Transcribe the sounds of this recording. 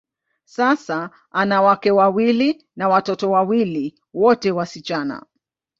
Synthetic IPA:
sasa | anawakɛwawili | nawatɔtɔwawili | wɔtɛwasit͡ʃana̰

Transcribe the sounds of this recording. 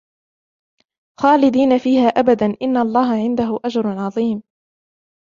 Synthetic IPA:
xaːlɪd̪iːnafiːhaːʔabad̪anʔɪnːaʔɑlˤːɑːɦaʕɪnd̪aɦʊʔad͡ʒɾˤʕɑðˤiːm

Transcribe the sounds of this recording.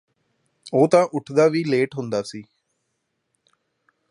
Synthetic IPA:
oːt̪ãːʔʊʈʰd̪aːʋiːleːʈɦʊ̃nd̪aːsiː

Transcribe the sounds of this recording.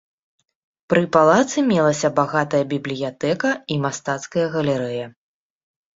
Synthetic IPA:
pɾɨpalˠat̪sɨmʲɛlˠɐsʲɐbaɣat̪ɐjɐbʲiblʲijat̪ɛkɐimast̪at̪skɐjɐɣɐlʲiɾɛjɐ

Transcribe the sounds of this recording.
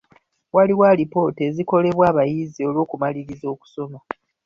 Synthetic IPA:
waliwalipo̞ːteːziko̞le̞βwaːβajizio̞lwo̞ːkumaliɾizo̞ːku̥so̞mo

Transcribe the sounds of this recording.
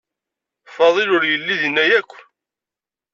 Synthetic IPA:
fɑðˤelʊɾjəlːiðənːæjækʷː

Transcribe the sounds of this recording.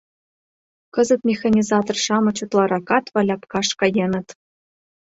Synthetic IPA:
kɤ̆zə̆t̪mʲexɑnʲizɑt̪orʃɑmɤ̆t͡ɕut̪lˠɑɾɑkɑt̪vɑlʲɑpkɑʂkɑjenɤ̆t̪

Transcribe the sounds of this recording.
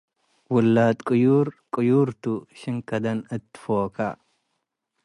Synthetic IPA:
wʊlːaːt̪kʼʊjuːɾkʼʊjuːɾt̪uʃɪŋkɐd̪ɐnɪt̪ːɪ̥foːkɐ

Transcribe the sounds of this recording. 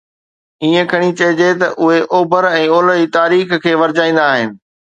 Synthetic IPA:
iːə̃kʰɐɽ̃it͡ɕɐɦɪd͡ʑet̪ɐʔʊɦeʔoːbəɾɛ̃ːoːləiːt̪aːɾiːxkʰeːʋɐɾd͡ʑaːĩːn̆d̪aːɦɪnɪ̆

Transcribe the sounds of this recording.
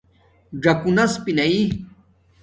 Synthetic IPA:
ɖɐkunɐspinɐi

